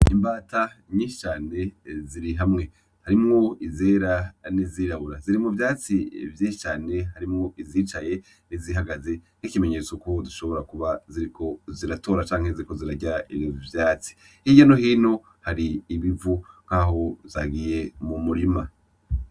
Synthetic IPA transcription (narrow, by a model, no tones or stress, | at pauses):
imbaːtaɲĩːʃi̥t͡ʃaːne̞ziɾiɦamŋe̞ | haɾimŋo̞izeːɾaniziːɾaβuɾaziɾimuvjaːt͡sivjiːʃi̥t͡ʃaːne̞ɦaɾimŋo̞iziːt͡ʃaje̞ | niziɦaɡaze̞ | nikime̞ɲe̞t͡soko̞duʃo̞βo̞ɾakuβaziɾikʰo̞ziɾato̞ːɾat͡ʃaːŋ̥heziɾiko̞ziɾaɟaḭvjovjaːt͡si̥ | hiɟanohiːno̞ | haɾiːβivuŋ̥kaɦo̞zaɡije̞mumuɾima